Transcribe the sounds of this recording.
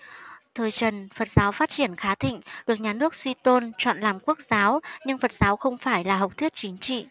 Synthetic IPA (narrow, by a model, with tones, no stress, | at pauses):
t̪ʰəː˨˩jt͡ɕə˨˩nfə˨˩t̚z̥aː˨˦wfaː˦˥t̚t͡ɕi˧˩ənxaː˨˦t̪ʰḭ˧˨ŋ̟ɗɨ˨˩ək̚ɲaː˨˩nɨ˦˥ək̚swi˧t̪o˧nt͡ɕwa̰ː˧˨nlaː˨˩mku˦˥ək̚zaː˨˦wɲɨ˧ŋfə˨˩t̚zaː˨˦wxə˧wŋ͡mfaː˧˩jlaː˨˩ɦə˨˩wk͡p̚t̪ʰwi˦˥ət̚t͡ɕi˨˦ŋt͡ɕḭ˧˨